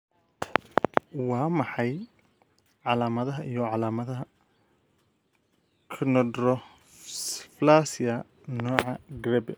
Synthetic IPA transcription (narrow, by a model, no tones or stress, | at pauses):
wɑːmɑħɑj | ʕɑlaːmɐðɐɦɐʔijɔʕɑlaːmɐðɐɦɐ | kʰnɔdɾɔ | flaːsɪɐ | nɔːʕɑɡɾɛbɛ